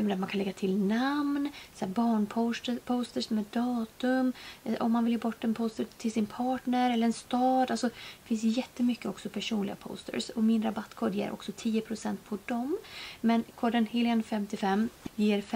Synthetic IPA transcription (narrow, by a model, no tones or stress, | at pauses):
md̪ɛat̪mankʰanɛɡːat̪ʰɪlnamnsɛbɑːɳpʰost̪əpʰoːst̪əʂmɛːd̪ɑːt̪ɵmʔɔmːanvɪljeːbɔʈːɛnpʰoːst̪ət̪ʰɪlsɪnpʰɑːʈɳəɾɛlːəɾɛnst̪ɑːd̪alsɔ̥fɪns̬jɛt̪ːəmʏkːəɔksɔpʰæʂuːnlɪɡa̰pʰo̰ːst̪ə̰ɾsɔmɪnɾabat̪ːkʰoːd̪jḛːɾʔɔ̰ksɔt̪ʰiːəpʰɾʊsɛnt̪̚pʰɔd̪ɔmmɛnkʰoːɖənhɪːlɪənfɛmt̪ɪfɛmːjiːɾf